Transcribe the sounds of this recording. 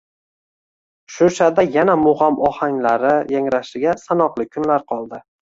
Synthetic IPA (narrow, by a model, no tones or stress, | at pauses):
ʃʊʃad̪ajanamʊʁamʔɒhaŋlaɾɪjaŋɾaʃɪɡʲasanɒqlˠɪkʲʰʊnlaɾqʰɒlˠd̪ɪ